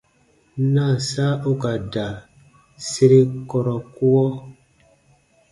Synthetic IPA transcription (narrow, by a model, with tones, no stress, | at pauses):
na˦˨sa˦ʔo˦ka˨da˨ | se˦ɾe˦kɔ˨ɾɔ˨ku˦wɔ˦